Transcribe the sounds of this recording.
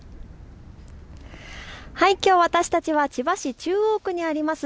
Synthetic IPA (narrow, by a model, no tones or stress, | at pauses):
haikʲo̞ːβat̪aɕi̥t̪at͡ɕiβat͡ɕibaɕit͡ɕɨːoːkɯ̟ɲ̟iaɾʲimasɨ